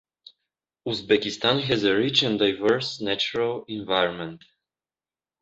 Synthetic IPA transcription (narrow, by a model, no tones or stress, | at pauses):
uzbɛkist̪ãnɦɛzəɹit͡ʃɛ̃ndajvɛɹsnæt͡ʃuɹalĩnvajɹɔ̃nmɛ̃nt